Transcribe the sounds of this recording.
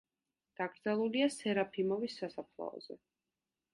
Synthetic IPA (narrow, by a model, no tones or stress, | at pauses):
d̪̥aɡɾd̪zalˠuliasɛɾapʰimɔvisːasapʰlˠɔ̰ɔ̰zɛ̰